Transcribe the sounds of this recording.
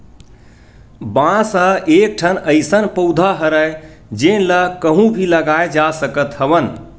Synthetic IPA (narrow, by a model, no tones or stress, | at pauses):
bãsəek̚ʈʰənəɪsənpəwd̪ʱaɦəɾəj | d͡ʒenlakəɦũbʱiləɡaed͡ʒasəkət̪həbən